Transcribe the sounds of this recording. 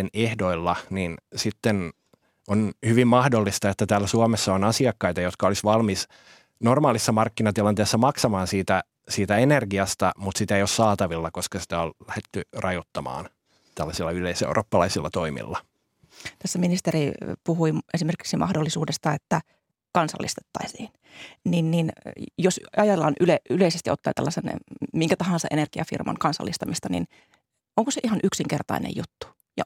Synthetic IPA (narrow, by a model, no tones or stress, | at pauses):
enehdoilːɑninsit̪ːen | onhyʋimmɑhdolːist̪ɑet̪ːæt̪æːlːæsuɑmesːɑonɑsiɑkːɑit̪ɑjot̪kɑolisʋɑlmis | normɑːlisːɑmɑrkːinɑt̪ilɑnt̪eˑːsːɑmɑksɑmɑːnsiːt̪æ | siːt̪æenerɡiɑst̪ɑmut̪sit̪æeijossɑːt̪ɑʋilːɑkoskɑsi̥t̪æollæhet̪ːyrɑjot̪ːɑmɑ̰ːn | t̪ælːɑsilːɑyleisḛuro̰ːpːɑlɑisilːɑt̪oimḭlːɑ | t̪æsːæminist̪eripuhuiesimerki̥ksimʔɑ̰hdolːisuːdest̪ɑet̪ːæ | kɑnsɑ̰lːḭst̪e̥t̪ːɑisiːn | ninninjosɑjɑt̪elːɑnʔyleyleisest̪iot̪ːɑ̰iːt̪ælːɑsḛnmiŋkæt̪ɑhɑ̃nsɑʔenerɡ̥iɑ̰fḭrmɑ̰ŋkɑnsɑ̰lːist̪ɑmist̪ɑnḭn | oŋkoseʔihɑnʔyksiŋkert̪ɑ̰inḛjjut̪ːu̥ | jɑ̰